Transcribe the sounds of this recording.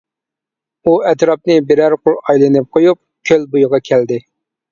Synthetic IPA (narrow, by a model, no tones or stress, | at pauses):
uɛt̪ɾɑp̚nɪbɪɾæɾqʰʊlˠɑjlˠɨnɨp̚qʰojup̚kʲʰølbujʊʁɑkʲʰæld̪ɪ